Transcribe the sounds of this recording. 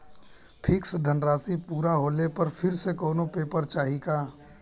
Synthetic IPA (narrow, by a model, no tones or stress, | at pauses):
pʰɪksd̪ʱənɾaːsipuːɾaɦoːlepɐɾfʰɪɾsekɔːnopeːpəɾt͡ʃaːɦikaː